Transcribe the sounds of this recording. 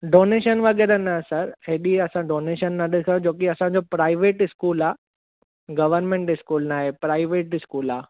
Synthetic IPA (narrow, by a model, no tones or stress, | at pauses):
ɖoːneːʃənʋɐɡɛːɾanaɦesɐɾɦeːɗiɐsãɖoːneːʃənːɐɗɪkʰɐjõd͡ʑoːkiɐsãd͡ʑoːpɾaːɪʋeːʈɪskuːlaː | ɡɐʋəɾnmẽɳʈɪskuːlnaːɦepɾaːɪʋeːʈɪskuːlaː